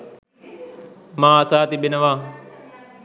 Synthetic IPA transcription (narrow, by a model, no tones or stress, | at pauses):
mãːɐsaːt̪iɓɪnəʋãː